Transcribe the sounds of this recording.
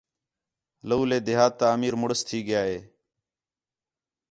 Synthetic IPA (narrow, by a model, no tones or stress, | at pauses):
ləuːleːd̪ɪɦaːt̪ːaːmiːɾmʊɽəst̪ʰiːɠɪjaːɦeː